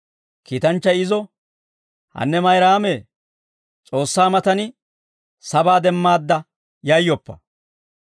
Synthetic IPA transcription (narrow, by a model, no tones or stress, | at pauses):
kiːt̪ɐnt͡ʃːɐjɪzɔ | hɐ̰nːɛmɐjɾaːmeː | t͡sʼo̞ːsːaːmɐt̪ɐnɪ | sɐbaːd̪ɛmːaːd̪ːɐ | jɐjːɔpːɐ̥̰